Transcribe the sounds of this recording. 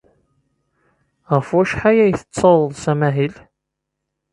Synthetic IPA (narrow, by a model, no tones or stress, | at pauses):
ʁəfwæʃħajæjθə̥t͡sːɑwəðˤsæmæɦil